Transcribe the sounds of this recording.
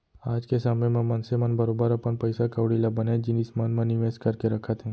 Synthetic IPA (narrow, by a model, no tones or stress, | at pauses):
aːd͡ʒkesaːmẽmẽmɐnsemənbəɾobəɾɐpənpəjsakəʋɽilabəned͡ʒɪnismənmə̃niʋeːskəɾkeɾɐkʰət̪ɦɛ̃ː